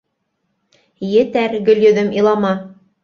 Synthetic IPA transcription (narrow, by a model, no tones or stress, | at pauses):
jɘ̆t̪æɾɡɵ̆ljɵ̆ðɘmilˠɑmɑ